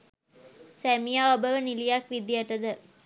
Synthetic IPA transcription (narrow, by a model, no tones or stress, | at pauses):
sæmijaːobəʋənilijakʋid̪ijəʈəd̪ə